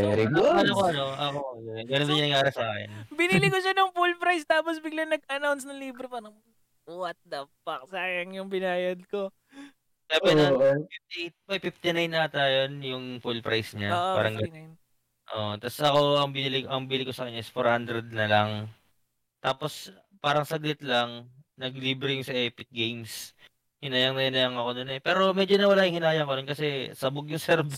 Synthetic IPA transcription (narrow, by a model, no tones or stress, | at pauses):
ɾiʔɐnokoɐnoʔɐkooɡɐnond̪ɪɲɐnɐɡjaːɾɐsaːkɛ̰nbɪnilɪkoʃɐnɐŋfulpɾajst̪aːposbɪɡlɐŋnɐɡ̚ɐnawnsnɐŋliːbɾɪpaɾɐŋ | wɐt̪̚d̪ɐpːɐk̚saːjɐŋjʊŋbɪnaːjɐd̪̚ko | sɛbɛnift̪it̪̚mɐjpɪft̪ɪnajnːɐt̪ajonjʊŋfulpɾʔa̰jsɲaaɾɐŋɡɐ | ʔo̰ʔt̪ɐsɐko̞ɐŋbɪnilɪʔɐŋbiːlɪko̞sɐkɐɲːaɪsfoɾhand̪ɾɛd̪̚nɐlaŋ | t̪aːpo̞s | paːɾɐŋsɐɡlɪt̪laŋnɐɡliːbɾɪjʊŋsɐʔɛːpɪk̚ɡejms | hɪnaːjɐŋnɐjɪnɐjɐŋɐko̞nonɛpɛːɾo̞mɛd͡ʒonɐwɐlaːjʊŋhɪnaːjɐŋkononkɐsɛsɐbʊɡ̚jʊŋsɛɾb